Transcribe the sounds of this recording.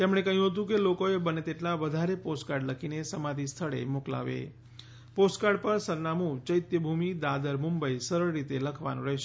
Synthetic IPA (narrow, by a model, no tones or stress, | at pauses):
t̪emɽ̃ekəɦjũɦət̪̬ũkelokoebənet̪eʈlaʋəd̪ʱaɾeposʈkaɾɖləkʰinesəmad̪ʱist̪ʰəɭḛmokla̰ʋḛ | posʈkaɖpəɾsəɾnamũd͡ʒəjt̪jəbʱumid̪ad̪əɾmumbəjsəɾəɭːit̪eləkʰʋa̰nṵ̃ɾəɦʃ